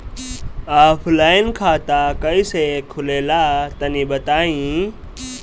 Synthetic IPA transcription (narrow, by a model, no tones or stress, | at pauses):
aːpʰlaːɪnkʰaːt̪aːkəiːseːkʰʊleːlaːt̪ənĩːɓət̪aːĩː